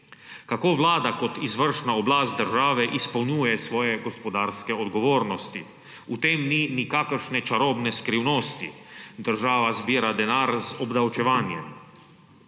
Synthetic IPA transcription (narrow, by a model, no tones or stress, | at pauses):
kakoːʋlaːd̪akɔt̪izʋəɾʃnaɔblaːst̪̚d̪əɾʒaːʋɛʔispɐwnuːjɛsʋɔːjɛɡɔspɔd̪aːɾskɛɔd̪ɡɔʋoːɾnɔst̪ḭ | ut̪eːmninikakəɾʃnɛt͡ʃaɾoːbnɛskɾiwnoːst̪ḭ | d̪əɾʒaːʋazbiːɾad̪ɛnaːɾzɔbd̪awt͡ʃɛʋaːnjɛ̰m